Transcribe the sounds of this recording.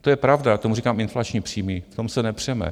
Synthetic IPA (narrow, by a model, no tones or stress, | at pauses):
t̪ojɛpɾavdat̪omuriːkaːmɪnflat͡ʃɲipr̥iːmift̪o̞msɛnɛpr̥ɛmɛ̰